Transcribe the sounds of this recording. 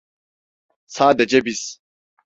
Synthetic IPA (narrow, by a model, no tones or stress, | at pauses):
saːd̪ɐd͡ʒɐbis